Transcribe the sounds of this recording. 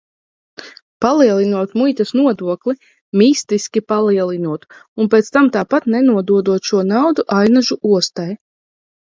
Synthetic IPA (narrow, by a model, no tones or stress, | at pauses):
palˠiɛlˠinuɔt̪mujt̪asnuɔd̪uɔklˠi | miːst̪iskʲipalˠiɛlˠinuɔt̪unpeːt̪st̪amt̪aːpat̪nɛnuɔd̪uɔd̪uɔt̪ʃuɔnawd̪uʔajnaʒuʔuɔst̪aj